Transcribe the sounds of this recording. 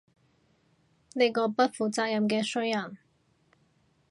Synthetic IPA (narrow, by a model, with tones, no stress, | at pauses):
ne˧jkɔː˧pɐ˥t̚fuː˨t͡saː˧k̚jɐ˨mkɛː˧sɵ˥jjɐ˨˩n